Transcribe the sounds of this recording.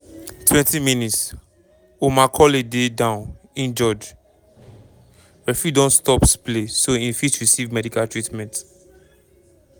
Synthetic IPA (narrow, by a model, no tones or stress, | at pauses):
tʰwɛ̃ntimĩnits | omakʰɔlededãʊ̃n | ĩnd͡ʒɔd͡ʒ | ɹɛfidɔ̃nstɔpsplesoĩnfitɹisivmɛdikaltɹitmɛ̃nt